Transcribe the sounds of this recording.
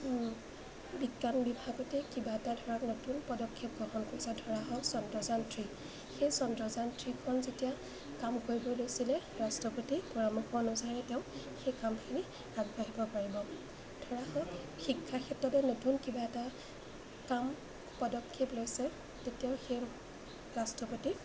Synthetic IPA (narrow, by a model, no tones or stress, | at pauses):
bikːanbibʱaɡɔtɛkibaɛtadʱɔɹaknotunpɔdɔkʰːep̚ɡɹɔɦɔnkɔsɛdʱɔɹaɦɔsɔndɔzantʰɹi | xejsɔndɹɔzantʰɹikʰɔnzetija | kamkoɹbojlojsilɛɹastɹɔpotipɔɹamuxʰɔnɔsanɛtɛʊ̃ | xejkamkʰini | aɡbaɦibɔpaɹibɔ | dʱɔɹaɦɔ | xikʰːakʰɛtːɔtɛnotunkibaɛta | kam | pɔdɔkʰːeplojsɛ | tetijaʊxej | ɹastɹɔpoti